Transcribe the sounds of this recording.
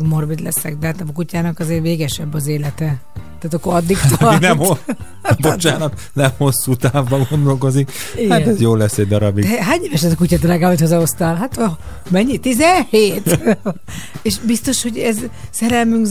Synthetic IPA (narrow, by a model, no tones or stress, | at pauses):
ɡmo̞rbid̪lɛ̰sɛkd̪ɛɦaːt̪kucaːnɒkɒzeːrveːɡɛʃɛbːɒzeːlɛt̪ɛ | t̪aːt̪ɒkːoɒd̪ːik̪ɒinɛmho | bot͡ʃaːnɒt̪ | nɛmho̞sːut̪aːvːɒɡo̞nd̪o̞lko̞zikiɡajoːlːɛsːɛɟ̚d̪ɒɾɒbid̪ɛɦaːɲeːvɛʃɛzɒkucaːd̪raːɡaːmit̪hozɒost̪aːlɦat̪ | mɛɲːit̪izɛnheːt̪ | eːʃbist̪o̞ʃho̞ɟɛzsɛɾɛlmyŋk